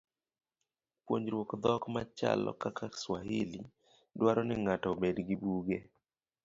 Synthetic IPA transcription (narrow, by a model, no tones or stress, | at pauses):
pwoɲd͡ʒɾwokd̪ɔkmat͡ʃa̰lɔ̰kakʰaswahili | dwaɾɔnɪŋatɔbedɡibuɡe